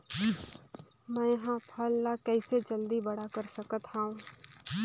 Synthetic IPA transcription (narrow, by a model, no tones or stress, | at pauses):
mɛ̃ːjɦãpʰəlːakɛːɪsed͡ʒəld̪ibɐɽakəɾsɐkət̪ɦaːũː